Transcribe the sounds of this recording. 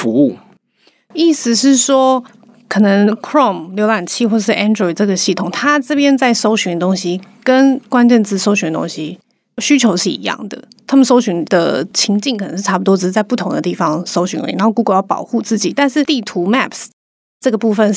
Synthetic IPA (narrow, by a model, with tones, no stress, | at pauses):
fu˧˦u˥˩ | i˥˩sɹ̩˨˩ʂɻ̩˥˩ʂwɔ˥ | kʰɤ˨˩nə˧˦ŋkʰɹɔ˥˨mljo˧˥ʊla˨˩nt͡ɕʰi˥xwɔ˥˩ə˨˩ʂɻ̩˥˩ʔɛ˥ndɹɔ˥˩ɪʈ͡ʂɤ˥˩ɡə˩ɕi˥˩t̪ʰʊ˨˩ŋt̪ʰa˥ʈ͡ʂɤ˥˩pjɛ˥nt͡sa˥˩ɪʂo˥ʊɕy˧ŋd̪ə˩t̪ʊ˥ŋɕi˥kə˥nkwa˥nt͡ɕɛ˥˧nt͡sɹ̩˥˩ʂo˥ʊɕy˧˥nd̪ə˩t̪o̰˥ŋɕi˦ | ɕy˥t͡ɕʰjo˧˥ʊʂɻ̩˥˩ḭ˧˥˦jɑ̰˥˩ŋd̪ə̰˩t̪ʰa˥mə˨nʂ̬o˥ʊɕy˧˥ŋd̪ə̰˨t͡ɕʰi˧˥ŋt͡ɕi˥˩ŋkʰn˧˦ŋʂɻ̩˥˩ʈ͡ʂʰa˥pu˨˩t̪wɔ˥ʈ͡ʂɻ̩˧˩˥t͡sa˥˧ɪpu˥˩t̪ʰʊ˧˥ŋd̪ə̰˧t̪i˥˩fɑ˦ŋʂo˥ʊɕy˧˥n̰˧˥ḭ˨˩na˧˦˥o˥˧ku˧˥ɡə˥˨˩jɑ˥˩pɑ̰˨˩ʊxu˥˧t͡sɹ̩˥˩t͡ɕi˨˩t̪a˥˧nʂɻ̩˥˩t̪i˥˩t̪ʰu˧˥mæ˥˧ps | ʈ͡ʂɤ˥˩ɡə˩pu˥˧fə˨n